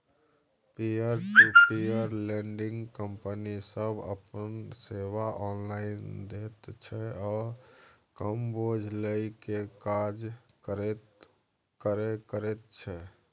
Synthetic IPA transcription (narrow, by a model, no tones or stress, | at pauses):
piəɾʈupiəɾlẽɳɖɪ̃ŋɡkəmpənisəbə̰pənseʋaʔɔːnlaɪnd̪et̪t͡ʃʰɛɔːɾkəmbod͡ʒʱləikekad͡ʒəɾt̪ | kəɾekəɾet̪̚t͡ʃʰɛ